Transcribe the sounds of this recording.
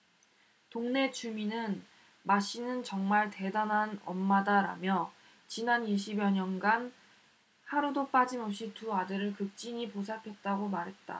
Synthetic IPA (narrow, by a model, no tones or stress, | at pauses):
toŋne̞t͡ɕuminɯn | maɕ͈inɯnt͡ɕʌŋmaɭte̞danɦanʌ̰mːadaɾa̰mjʌ | t͡ɕinaniɕ͈ʰibjʌɲʌnɡan | haɾudop͈ad͡ʑimʌp̚ɕ͈ituadɯɾɯɭkɯk̚t͡ɕ͈iɲiposʰapʰe̞t̚t͈aɡomaɾɦe̞t̚t͈a̰